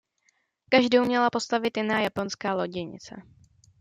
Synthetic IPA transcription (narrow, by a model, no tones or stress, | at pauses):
kaʒdowmɲɛlapo̞st̪avɪt̪jɪnaːjapo̞nskaːlo̞ɟɪɲɪ̰t͡sɛ̰